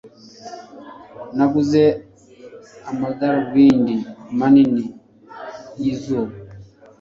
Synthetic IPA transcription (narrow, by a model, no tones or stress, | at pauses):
nakuzɛ | amadaɾwinimanini | jizɔ